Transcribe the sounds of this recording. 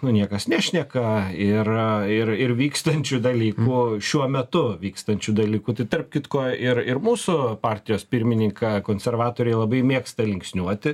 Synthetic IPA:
nʊnʲiɛkɐsnʲæːʃʲnʲɛkɐɪrɪrɪrʋʲiːkst̪ɐnʲt͡ʃʲud̪ɐlʲiːkuːʃʲuɔmʲɛt̪ʊʋʲiːkst̪ɐnʲt͡ʃʲud̪ɐlʲiːkuːt̪ɐɪt̪ɐrpkʲɪt̪koːɪɾɪɾmuːsʊpɑːɾʲt̪ʲɪjoːspʲɪɾʲmʲɪnʲɪŋkʰɑkoːnʲsʲɛrʋɑːt̪oːɾʲɛjlˠɐbɐɪmʲeːkst̪ɐlʲɪŋksʲnʲuɔt̪ʲɪ

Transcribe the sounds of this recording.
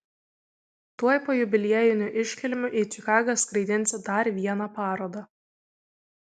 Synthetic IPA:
t̪uɔjpoːjʊbʲɪlʲiɛjɪnʲʊʔɪʃʲkʲɛlʲmʲʊʔit͡ʃʲɪkɑːɡɐskɾɐɪd̪ʲɪnʲsʲɪd̪ɐɾʋʲiɛnɑpɑːɾoːd̪ɐ

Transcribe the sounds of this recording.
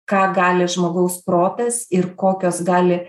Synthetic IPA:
kɑːɡɑːlʲɪʒmoːɡɐʊspɾoːt̪ʲɛstɪɾkoːkʲoːsɡɑːlʲɪ

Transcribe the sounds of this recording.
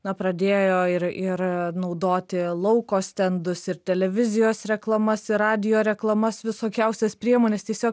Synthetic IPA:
nɐpɾɐd̪ʲeːjoːɪɾɪɾnɐʊd̪oːt̪ʲɪlˠɐʊkoːsʲt̪ʲɛnd̪ʊsɪɾt̪ʲɛlʲɛʋʲɪzʲɪjoːsɾʲɛklˠɐmɐsɪɾɑːd̪ʲɪjoːɾʲɛklˠɐmɐsʋʲɪsoːkʲɛʊsʲɛspʲɾʲiɛmoːnʲeːst̪ʲiɛsʲoːk

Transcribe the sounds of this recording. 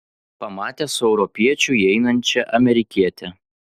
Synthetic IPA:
pɐmɑːt̪ʲɛːsʊɛʊɾɔpʲiɛt͡ʃʲʊɛɪnɐnʲt͡ʃʲɛʔɐmʲɛɾʲɪkʲiɛt̪ʲɛ

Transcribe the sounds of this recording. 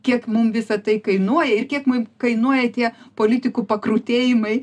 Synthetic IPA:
kʲiɛkmʊmʋʲɪsɐt̪ɐɪkɐɪnuɔjɛɪrkʲiɛkmʊmkɐɪnuɔjɛt̪ʲiɛpoːlʲɪt̪ʲɪkuːpɐkruːt̪ʲeːjɪmɐɪ

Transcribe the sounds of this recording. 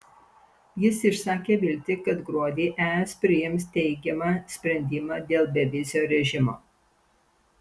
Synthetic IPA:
jɪsɪʃsɑːkʲeːʋʲɪlʲt̪ʲɪkɐt̪ɡɾuɔd̪ʲiːʔæːɛspʲɾʲɪjɪmst̪ʲɛɪɡʲɛmɑːsʲpʲɾʲɛnʲd̪ʲɪmɑːd̪ʲeːlˠbʲɛʋʲɪzʲɪjoːɾʲɛʒʲɪmo̰ː

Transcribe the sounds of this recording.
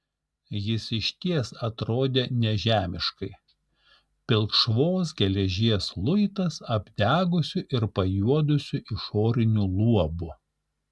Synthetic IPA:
jɪsɪʃʲt̪ʲiɛsɐt̪ɾoːd̪ʲeːnʲɛʒʲæːmʲɪʃkɐɪ | pʲɪlˠkʃʋoːs̬ɡʲɛlʲɛʒʲiɛslˠʊɪt̪ɐsɐbʲd̪ʲæːɡʊsʲʊʔɪɾpɐjuɔd̪ʊsʲʊʔɪʃoːɾʲɪnʲulˠuɔbʊ

